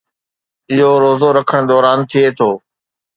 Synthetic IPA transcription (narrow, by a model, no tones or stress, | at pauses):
ɪɦoɾoːzoɾɐkʰəɽ̃d̪ɔːɾaːnt̪ʰieːt̪ʰoː